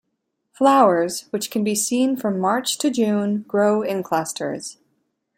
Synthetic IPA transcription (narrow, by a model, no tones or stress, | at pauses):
flaʊə˞z̥wɨt͡ʃkʰɨ̃n̩bisĩnfɹʌ̃mːɑɹt͡ʃtʰɨd͡ʒʉ̃nɡɹoʊɪ̃nkʰl̥ʌstə̰˞z̥